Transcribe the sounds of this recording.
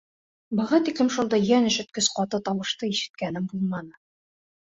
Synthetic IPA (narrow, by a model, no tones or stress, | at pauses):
bɤ̆ʁɑt̪iklɘmʃulˠd̪ɑjænɵ̆ʃɵ̆t̪̚kɵsqɒt̪ɤt̪ɒwɤ̆ʃt̪ɤiʃɘ̥̆t̪̚kænɘmbulˠmɑnɤ